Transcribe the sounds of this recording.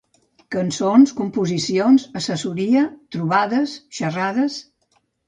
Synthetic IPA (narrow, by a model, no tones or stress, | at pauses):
kənsonskumpuzisionzəsəsuɾiət̪ɾuβ̞aðəsʃəraðəs